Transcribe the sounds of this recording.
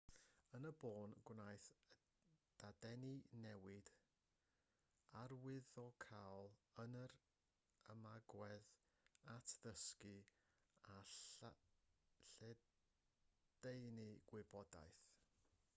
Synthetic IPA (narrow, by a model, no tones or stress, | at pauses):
ənəboːnɡwnajθ | d̥adɛninɛwɪd̥ | arwɪðɔkʰawlˠənəɾ | əmaɡwɛð | atʰðəski | a | ɬɛ | d̥ejnɨɡ̥wɪbɔda̰jθ